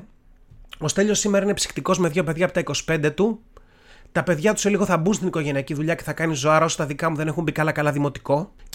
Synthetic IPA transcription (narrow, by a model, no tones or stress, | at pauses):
ost̪e̞ʎo̞simeɾɐinepsi̥xt̪iko̞zmeðʝo̞peðʝɐpot̪ɐiko̞si̥pe̞nd̪et̪u | t̪ɐpe̞ðʝɐt̪u̥seliɣo̞θɐbunst̪iniko̞ʝe̞niɐciðuʎɐce̞θɐkɐnizoɐɾɐo̞sɐ̥t̪ɐðikɐmuðe̞ne̞xumbikɐlɐkɐlɐðimo̞t̪i̥ko̞